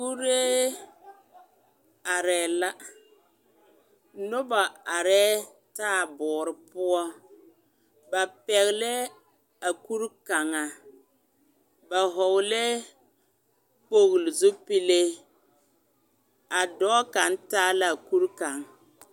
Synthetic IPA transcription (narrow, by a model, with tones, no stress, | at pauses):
ku˦ɾeː˦ | a˨ɾɛː˨la˦ | nʊ˦ba˨a˨ɾɛː˦ | taː˦˨bɔː˨ɾɪ˨pʊ˦ɔ˦ | ba˨pɛ˨ɣɪ˨lɛ˦ | a˨ku˦ɾka˨ŋa˨ | ba˨ɦɔ˨wlɛ˦ | k͡po˦ɣlɪ˨zʊ˦pi˦le˦ | a˨dɔː˦ka˨n̩˦taː˦la˦˨ku˦ɾka˨ŋ